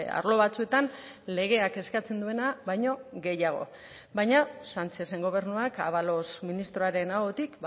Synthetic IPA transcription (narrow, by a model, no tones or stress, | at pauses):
a̰ɾlo̞βat͡sue̞t̪an | le̞ɣ̞e̞ake̞skat͡se̞nd̪ue̞naβajɲo̞ɣe̞jaɣ̞o̞̰ | bajɲasant͡ʃe̞se̞ŋɡo̞β̞e̞ɾnuaka̰βalo̞sminist̪ɾo̞aɾe̞naɣot̪ikb